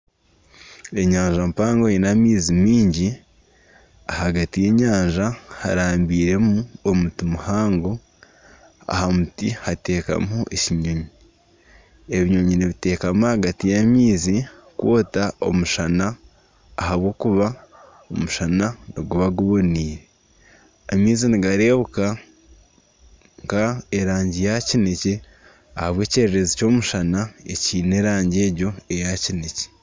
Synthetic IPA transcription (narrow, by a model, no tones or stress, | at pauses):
e̞ɲaːɲʒampaːŋɡojinamiːzimiːɲɟi | ahaɡatije̞ɲaːɲʒaha̰ɾaːmbiːɾe̞muomutimuhaːŋɡo | a̰hamutihate̞ːka̰muʔeciɲoɲi | e̞βiɲoɲiniβite̞ːkamuahaɡatijamiːzi | kwoːtao̞̰muʃanaː | haβwo̞ːkuβa | omuʃananiɡuβaɡuβo̞niːɾe | amiːziniɡaɾe̞ːβuka | ŋkaeɾaːɲɟijacinece | ahaβwe̞ːceɾeɾezico̞ːmuʃanaḛciːne̞ɾaːɲɟe̞ːɾɟo̞e̞jacinece̥